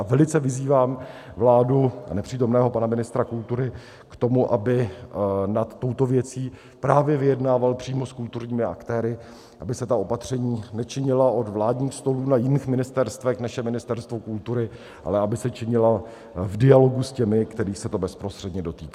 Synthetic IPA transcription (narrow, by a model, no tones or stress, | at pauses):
avɛlɪt͡sɛvɪziːvaːm | vlaːdua̰nɛpr̝̥iːt̪o̞mnɛːɦo̞panamɪnɪst̪ɾakult̪uɾɪ | kt̪o̞muʔabɪ | nat̪ːo̞wt̪o̞vjɛt͡siː | pɾaːvjɛvɪjɛdnaːvalpr̥iːmo̞skult̪uɾɲiːmɪa̰kt̪ɛːɾɪ | ʔabɪsɛt̪ao̞pat̪r̝̥ɛɲiːnɛt͡ʃɪɲɪlaʔo̞d̪vlaːdɲiːxst̪o̞luːnajɪniːxmɪnɪst̪ɛɾst̪vɛknaʃɛmɪnɪst̪ɛɾst̪vokult̪uɾɪ | ʔa̰lɛabɪsɛt͡ʃɪɲɪla | vdɪalo̞ɡuscɛmɪkt̪ɛɾiːxsɛt̪o̞bɛspɾost̪r̥ɛdɲɛdo̞t̪iːka